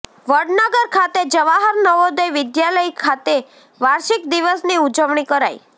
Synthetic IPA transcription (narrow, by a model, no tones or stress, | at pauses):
ʋəɖnəɡəɾkʰat̪ed͡ʒəʋaɦəɾnəʋod̪əjʋɪd̪jaləjkʰat̪e | ʋaɾʃikd̪iʋəsniud͡ʒəʋɳikəɾa̰j